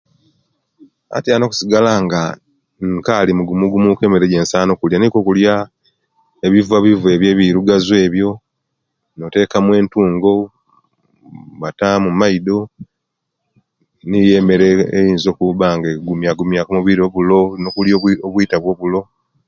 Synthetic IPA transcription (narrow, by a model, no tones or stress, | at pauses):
a̰tjano̞ːku̥siɡalaŋɡa | ŋkalimuɡumuɡumuke̞ːme̞ɾe̞ɟe̞ːnsaːno̞kuljaniko̞kulja | eβivaβive̞ːβje̞ːβiɾuɡazwe̞ːβjo̞ | note̞ːkamwe̞ːntuːŋɡo̞ | βatamumaido̞ | nije̞me̞ɾeːjiːnzo̞ːkuβaŋɡeɡumjaɡumjakomuβiɾioβulo̞nokuljooβwiːtaβwo̞ːβulo̞